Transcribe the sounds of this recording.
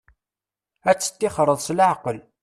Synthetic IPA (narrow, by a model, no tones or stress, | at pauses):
æt͡sːə̥t̪ːɪχɾˤəðˤsləʕqəl